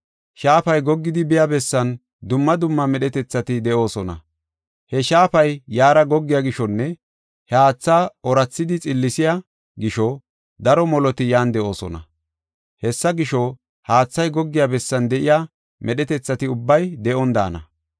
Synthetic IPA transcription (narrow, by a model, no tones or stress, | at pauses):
ʃaːfɐjɡɔɡːɪd̪ɪbɪjabɛsːɐn | d̪ʊmːɐd̪ʊmːɐmɛɗɛt̪ɛt͡sːɐt̪ɪd̪ɛʔo̞ːsɔnɐ̰ | hɛʃaːpɐjːaːɾɐɡɔɡːɪjaɡɪʃɔnːɛ | hɛaːt͡sːaːɔɾɐt͡sːɪd̪ɪt͡sʼɪlːɪsɪja | ɡɪʃɔ | d̪ɐɾɔmɔlɔt̪ɪjaːnd̪ɛʔo̞ːsɔ̰nɐ̰ | hɛsːɐɡɪʃɔ | haːt͡sːɐjɡɔɡːɪjabɛsːɐnd̪ɛʔɪja | mʔɛɗɛt̪ɛt͡sːɐt̪ɪʊbːɐjd̪ɛʔɔnd̪a̰ːnɐ̰